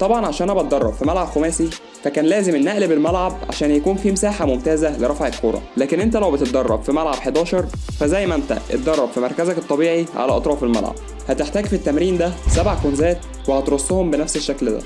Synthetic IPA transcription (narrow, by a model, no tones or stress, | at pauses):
t̪ˤɑbʕɑnʕaʃæːnhæbɑt̪̚d̪ɑrˤːɑbfimælʕabxomæːsi | fækæːnlæːzemenːæʔlbelmælʕabʕa̰ʃæːnjækuːnfiːmsaːħamomt̪æːzæleɾˤɑfʕekʰːoːɾˤɑ̰læːkenʔent̪̬ælæwbet̪et̪̚d̪ɑrˤːɑ̰bfimælʕabħed̪æːʃɑɾˤfæzæjːmæʔnt̪æ̰ʔḛt̪̚d̪ɑrˤːɑb̥fimɑɾˤkæzæket̪ˤːɑbiːʕiʕa̰læʔɑt̪ˤɾˤɑːfelmæ̰lʕa̰b̥̚ | hæt̪eħt̪æːɡfit̪ːæmɾiːnd̪æsæbʕakonzæːt̪ | wehæt̪ɾosˤːohombenæfseʃːækld̪æ̰